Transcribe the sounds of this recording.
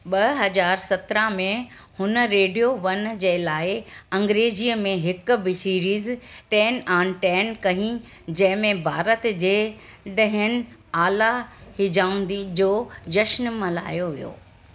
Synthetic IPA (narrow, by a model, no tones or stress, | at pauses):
ɓɐɦɐzaːɾsɐt̪ɾãmẽ | hʊnə̆ɾeːɖijoʋɐnd͡ʑeːlaːɪɐ̃ŋɡɾeːd͡ʑiːəmẽɦɪk̆bɪsiːɾiːzʈɛːnãːnʈɛːnkɐɦĩ | d͡ʑɐ̃ɦɪ̃mẽbʱaːɾət̪d͡ʑeː | ɗɐ̃ɦənɪ̆aːlahɪd͡ʑaːʊ̃n̆d̪id͡ʑoːd͡ʑɐʃnmɐla̰ːjoʋijo̰ː